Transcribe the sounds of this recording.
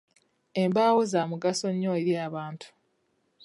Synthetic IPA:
e̞mbaːwozamuɡaso̞ɲːoeɾjaːβaːntʰu̥

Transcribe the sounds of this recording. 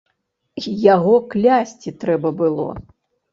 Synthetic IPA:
jaɣɔklʲasʲt͡sʲit̪ɾɛbɐbɨlˠɔ̰

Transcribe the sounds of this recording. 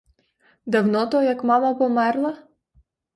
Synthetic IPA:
d̪ɐwnɔt̪ɔjɐkmɑmɐpɔmɛrlˠɐ

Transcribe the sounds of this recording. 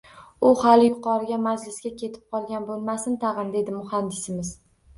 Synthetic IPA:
ʊhalɪjʊqɒɾɪɡʲamad͡ʒlɪsɡʲakʲʰe̞t̪ʰɪ̥p̚qʰɒlˠɡʲanbolˠmasɪnt̪ʰɑʁɨnd̪e̞d̪ɪmʊhand̪ɪsɪmɪz̥

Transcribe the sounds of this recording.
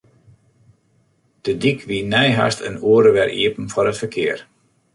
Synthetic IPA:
d̥ədikʰʋinɛjɦa̰stʰə̰nuəɾəʋɛrʔḭəpn̩fɔɾətfərkʰɪər

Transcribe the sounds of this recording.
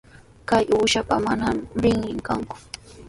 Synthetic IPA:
kajʔuːʃapamanamɾɪŋɾɪŋkaŋkʊ̥

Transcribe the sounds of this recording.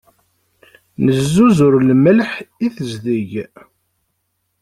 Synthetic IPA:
nəzːuzʊɾlməlħiθəzðiʝ

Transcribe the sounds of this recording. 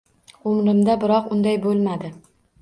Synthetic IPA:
ʊmɾɪmd̪abɪɾɒqʊnd̪ajbolˠmad̪ɪ

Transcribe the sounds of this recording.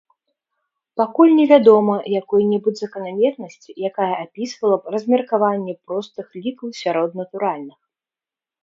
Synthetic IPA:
pakulʲnʲɛvʲad̪ɔmɐjakɔjnʲɛbɨd͡zʲzɐkɐnamʲɛrnɐsʲt͡sʲijakajɛʔapʲisvɐlˠɐrɐzʲmʲɛrkavanʲːɛpɾɔst̪ɨxlʲikɐwsʲaɾɔd̪nɐt̪uɾalʲnɨx

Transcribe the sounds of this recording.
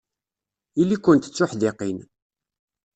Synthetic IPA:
ilːikʷːʊnt̪ə̥t͡sːʊħðɪqin

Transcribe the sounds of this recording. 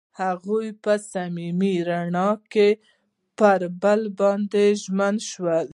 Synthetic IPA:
haɣujpəsamimiɾaɳɑke | pəɾbəlbɑnd̪eʒmanʃwəl

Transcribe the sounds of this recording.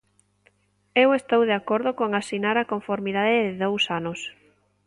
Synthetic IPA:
ewest̪owðeakoɾðʊkoŋasinaɾakoɱfoɾmiðaðɪðɪðowsanʊs

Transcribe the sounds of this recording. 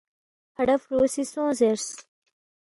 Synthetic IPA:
hɐɖɐfɾoːsisõːzeɾs

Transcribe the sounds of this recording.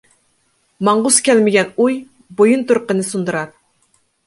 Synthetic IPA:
mɑɴʁʊskʲɛlmɪɡʲɛnuj | bojunt̪uɾqənɨsund̪ɨɾɑɾ

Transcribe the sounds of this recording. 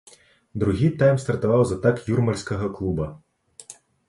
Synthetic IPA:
d̪ɾʊɦʲit̪ajmst̪ɐrt̪ɔʋɑwzɐt̪ɑkjurmɐlʲsʲkɐɦɐklˠubɐ

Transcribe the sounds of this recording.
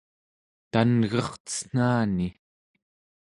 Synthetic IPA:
t̪anɣʌχt͡sə̥n̥aːni

